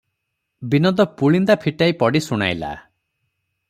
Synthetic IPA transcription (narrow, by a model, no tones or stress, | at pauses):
binɔd̪ɔpuɭind̪apʰiʈaipɔɽisuɽ̃a̰jla̰